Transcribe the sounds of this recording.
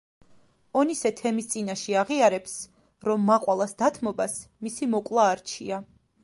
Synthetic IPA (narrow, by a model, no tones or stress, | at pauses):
ɔnisɛt̪ʰɛmist̪sʼinaʃɛaʁiaɾɛps | ɾɔmːaqʼwalˠasd̪at̪ʰmɔbas | misimɔkʼlˠaːɾt͡ʃʰḭa